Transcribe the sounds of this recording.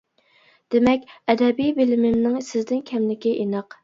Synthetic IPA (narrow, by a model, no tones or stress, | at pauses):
d̪̥emɛkʲɛd̪ɛbijbelɪmɪmnɪŋsɪzd̪ɪnkʲʰɛmlɪkʲiʔenɑq